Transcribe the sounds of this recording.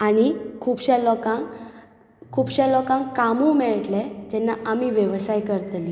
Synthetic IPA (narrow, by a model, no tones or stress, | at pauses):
añikʰuːbɕɛlɔkãŋ | kʰuːbɕãlɔkãŋkamumɛɭʈlɛd͡ʑɛnːaʔamiʋjəʋsajkəɾt̪li